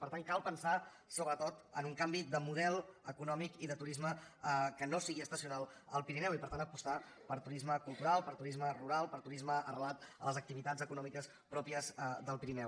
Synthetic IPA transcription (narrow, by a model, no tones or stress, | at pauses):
pəɾt̪aŋkalˠpənsa | soβɾət̪ot̪ə̰nuŋkambid̪əmuðɛlˠəkunɔmikiðət̪uɾizməkənosiɣiəst̪əsiunalˠəlˠpiɾinɛwipəɾt̪anəpust̪a | pəɾt̪uɾizməkulˠt̪uɾalˠpəɾt̪uɾizməruɾalˠpəɾt̪uɾizməərəlat̪ə̰ləzək̚t̪iβit̪azəkunɔmikəs | pɾɔpiəzðəlˠpiɾinɛw